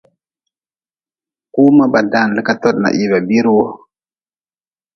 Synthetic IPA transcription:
ku˦ma˦ɓa˨da˦˨n˨lə˦ka˦to˦ɗna̰˨ʔi˨ba˨bi˦ɾwo˦

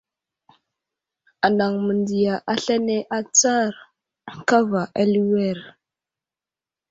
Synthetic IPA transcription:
a˨na˨ŋmə˨ndi˨ja˨ʔa˦ɬa˦ne˦ʔa˦t͡sa˦ɾ | ka˦va˨ʔa˦li˦we˦˨ɾ

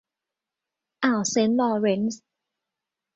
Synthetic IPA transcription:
ʔa˨˩wse˧˦˥nlɔː˧ɾe˧˥ns

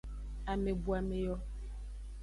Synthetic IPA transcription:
a˨me˨bu˨a˨me˨jɔ˦

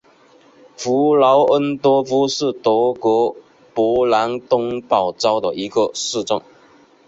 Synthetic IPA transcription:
fu˧˥lɑ˧˥ʊʔə˦˥nt̪wɔ˥fu˥ʂɻ̩˥˩t̪ɔ˧˥kwɔ˧˥ | pɔ˧˥la˧˥nt̪ʊ˥ŋpɑ˥˩ʊt͡sɑ˥ʊd̪ə˨˩i˧˥ɡə˧ʂɻ̩˥˧t͡sʊ̰˥˩ŋ

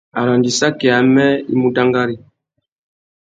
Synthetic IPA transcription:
a̰˨ɾa˨ndi˨sa˦kɛ˨a˨mɛ˦ḭ˦mu˦da˦ŋɡa˦ɾi˦

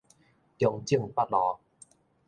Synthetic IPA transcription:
t̪jɔ˨˧ŋt͡ɕi˥˧˨ŋpa˦t̚lɔ˨˧˦

